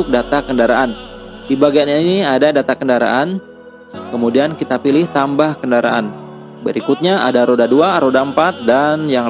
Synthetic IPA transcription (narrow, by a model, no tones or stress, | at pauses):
ʊk̚dat̪akəndaɾaʔan | dibaɡianainiadadat̪akəndaɾa̰ʔan | kəmudiankit̪apilɪht̪ambahkəndaɾa̰ʔan | bəɾikʊt̪̚ɲaʔa̰daɾodaduaɾodampat̪̚danjaŋ